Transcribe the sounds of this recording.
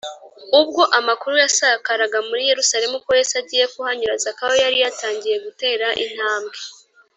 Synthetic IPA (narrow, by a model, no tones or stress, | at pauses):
ub̚ɡo̞ʔamakuɾujasakaɾaɡamuɾije̞ɾusaɾe̞mukojesaɟiːje̞kuhaɲuɾazakawojaɾijataːɲɟije̞ɡute̞ːɾaʔin̥haːmbɡe̞